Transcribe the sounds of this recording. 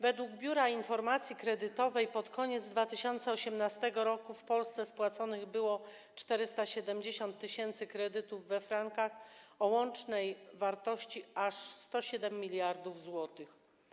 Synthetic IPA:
vɛd̪wuɡbʲjuɾainfɔɾmat̪sʲjikɾɛd̪ɘt̪ɔvɛjpɔt̪kʰɔɲɛd̪zd̪vat̪ɘɕɔnt̪sɛɔɕɛmnast̪ɛɡɔɾɔkufpɔlst̪sɛspwat̪sɔnɘɣbɘwɔ | t͡ʂt̪ɛɾɘst̪aɕɛd̪ɛmd͡ʑeɕɔnt̪ːɘɕɛnt̪sɘkɾɛd̪ɘt̪uvːɛfɾaŋkaxɔwɔnt͡ʂnɛjvaɾt̪ɔɕt͡ɕiaʂst̪ɔɕɛd̪ɛmʲːilʲjaɾd̪uvzwɔt̪ɘx

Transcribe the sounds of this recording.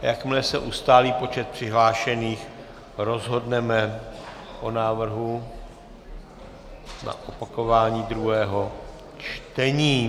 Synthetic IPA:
jakmlɛsɛʔust̪aːliːpo̞t͡ʃɛt̪̚pr̝̥ɪɦlaːʃɛniːx | ɾo̞zɦo̞dnɛmɛ | ʔo̞naːvr̩ɦu | na̰ʔopako̞vaːɲiːd̪ɾuɦɛːɦo̞ | t͡ʃt̪ɛɲiː

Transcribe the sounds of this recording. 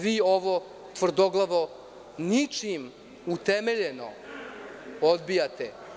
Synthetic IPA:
ʋiːoʋo | t̪ʋr̩d̪oɡlˠaʋo | nit͡ʃim | ut̪emeʎeno̰ | od̪bijat̪ḛ

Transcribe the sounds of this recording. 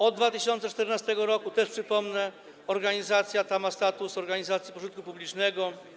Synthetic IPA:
ɔd̪̚d̪vat̪ɘɕɔnsɛt͡ʂt̪ɛɾnast̪ɛɡɔɾɔkut̪ɛʂpʂɘpɔmnɛ | ɔɾɡaɲizat̪sʲjat̪amast̪at̪usɔɾɡaɲizat̪sʲipɔʐɤnt̪̚kupublʲit͡ʂnɛɡɔ

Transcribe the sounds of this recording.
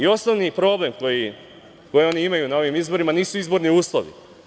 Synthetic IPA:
io̞snoʋnipɾo̞ble̞mkoji | ko̞jio̞niimajunao̞ʋimizboɾimaniːsuizbo̞ɾniuːslˠo̰ʋḭ

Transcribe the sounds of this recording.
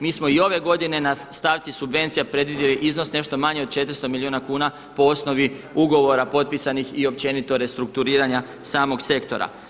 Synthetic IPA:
miːsmo̞io̞ʋe̞ɡo̞d̪ine̞nast̪aːʋt̪sisubʋe̞nt̪sijapɾe̞d̪ʋid̪jeliʔizno̞sne̞ʃt̪o̞maɲeod̪t͡ʃe̞t̪ɾ̩st̪omiliuːnakuːna | po̞o̞sno̞ʋiuɡo̞ʋo̞ɾapo̞t̪̚pisanixio̞p̚t͡ɕe̞nit̪o̞ɾe̞st̪ɾuk̚t̪uɾiːɾaɲa | saːmo̞ɡse̞kt̪o̞̰ɾa̰

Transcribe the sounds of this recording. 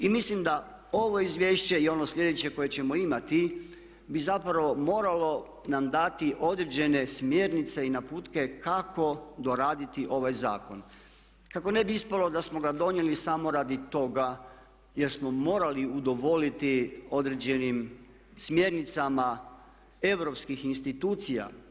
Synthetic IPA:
imislimd̪a | o̞ʋo̞izʋʲje̞ːʃt͡ɕe̞io̞noslʲje̞d̪e̞t͡ɕe̞ko̞je̞t͡ɕe̞mo̞imat̪i | bizapɾaʋo̞mo̞ːɾalo̞ | namd̪at̪iʔo̞d̪ɾed͡ʑe̞ne̞smje̞ɾnit̪se̞inapuːt̪ke̞kako̞d̪o̞ɾaːd̪it̪iʔo̞ʋajza̰ːko̞n | kako̞ne̞biispalo̞d̪asmo̞ɡad̪o̞nje̞lisamoɾaːd̪it̪o̞ɡa | jeɾsmo̞mo̞ːɾaliud̪o̞ʋo̞lit̪io̞d̪ɾed͡ʑe̞nim | smje̞ɾnit̪sama | e̞ʋɾo̞pskixinst̪it̪uːt̪sija̰

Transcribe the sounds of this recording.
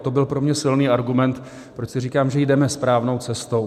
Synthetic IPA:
t̪o̞bɪlpɾo̞mɲɛsɪlniːʔaɾɡumɛnt̪ | pɾot͡ʃsɪr̝iːkaːmʒɛjdɛmɛspɾaːvno̞wt͡sɛst̪o̞w

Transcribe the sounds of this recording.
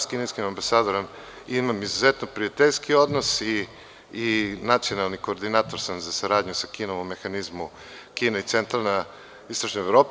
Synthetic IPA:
skineskimambasaːd̪oɾom | imamizuzet̪nopɾiat̪eʎʲskiod̪nosiː | nat̪sio̞nalˠnikoːɾd̪inaːt̪oɾsamzasaɾaːd̪ɲusakiːnoʋomːe̞xanizmu | kiːneit̪sent̪ɾalˠna | ist̪oʃnoevɾoːp

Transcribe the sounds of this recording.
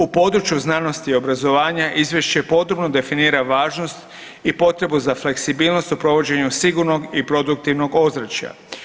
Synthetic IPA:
upo̞d̪ɾut͡ɕjuznaːno̞st̪io̞bɾazo̞ʋaːɲaʔizʋje̞ʃt͡ɕepo̞d̪ɾobno̞d̪e̞finiːɾaʋaːʒno̞st̪ | ipo̞t̪ɾe̞buzafle̞ksibiːlno̞st̪upɾo̞ʋo̞d͡ʑe̞ɲusiɡuɾno̞ɡipɾo̞d̪uk̚t̪iʋno̞ɡo̞zɾat͡ɕja̰

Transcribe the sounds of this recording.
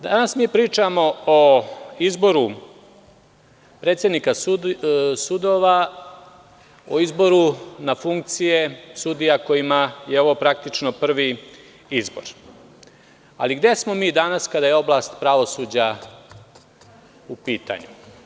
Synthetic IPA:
d̪anasmiːpɾiːt͡ʂamo̞oizbo̞ɾu | pɾe̞ːt̪sje̞d̪nikas | sud̪o̞ʋa | oizbo̞ɾunafuŋk̚t̪sije̞sud̪ijako̞jimajeo̞ʋopɾak̚t̪it͡ʃnopr̩ʋi | izbo̞̰ɾ | a̰liɡd̪e̞smo̞miːd̪anaskad̪ajeo̞blˠast̪pɾaʋo̞suːd͡ʑa | upiːt̪a̰ɲu

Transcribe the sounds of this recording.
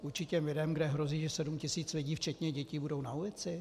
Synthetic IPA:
ʔuɾt͡ʃɪcɛmlɪdɛmɡdɛɦɾo̞ziːʒɛsɛdumcɪsiːt͡slɪɟiːft͡ʃɛt̪ɲɛɟɛciːbudo̞wnaulɪt͡sɪ

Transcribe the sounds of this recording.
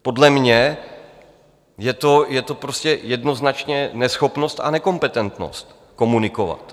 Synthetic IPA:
po̞dlɛmɲɛ | jɛt̪o̞jɛt̪o̞pɾoscɛjɛdno̞znat͡ʃɲɛnɛsxo̞pno̞st̪a̰nɛko̞mpɛt̪ɛnt̪no̞̰st̪ | ko̞munɪko̞va̰t̪

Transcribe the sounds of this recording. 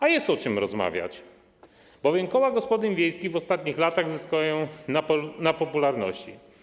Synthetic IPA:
ajɛst̪ɔt͡ʂɘmɾɔzma̰vʲja̰t͡ɕ | b̥ɔvʲjɛmkɔwaɡɔspɔd̪ɘnvʲjejskʲivɔst̪at̪̚ɲixlat̪aɣzɘskɔjɔ̃ | napɔpulaɾnɔ̰ɕt͡ɕḭ

